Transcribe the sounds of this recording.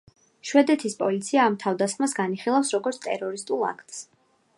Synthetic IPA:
ʃwɛd̪ɛt̪ʰispʼɔlit̪sʰiaːmt̪ʰavd̪asχmasɡaniχilˠafsɾɔɡɔɾt̪sʰt̪ʼɛ̰ɾɔɾist̪ʼulˠa̰kʰt̪ʼs

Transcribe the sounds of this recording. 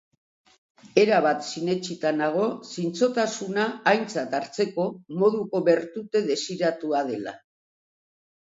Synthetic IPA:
e̞ɾaβ̞at̪sine̞t͡ʃit̪anaɣ̞o̞sint͡so̞t̪asunaːjnt͡sat̪aɾt͡se̞ko̞mo̞ðuko̞βe̞ɾt̪ut̪e̞ðe̞siɾat̪uað̞e̞la̰

